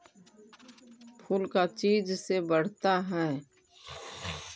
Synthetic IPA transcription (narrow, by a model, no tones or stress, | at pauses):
pʰuːlkat͡ʃiːd͡ʒsebəɽ̤t̪aɦɛː